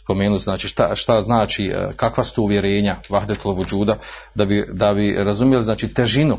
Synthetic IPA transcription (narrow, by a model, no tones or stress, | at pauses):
spo̞meːnuznaːt͡ʃiːʃt̪a̰ʃt̪aznaːt͡ʃikakʋasu̥t̪ouʋje̞ɾe̞ːɲaʋaɦd̪et̪loʋud͡ʒuːd̪a | d̪abid̪abiɾazumjeliznaːt͡ʃiːt̪eʒinu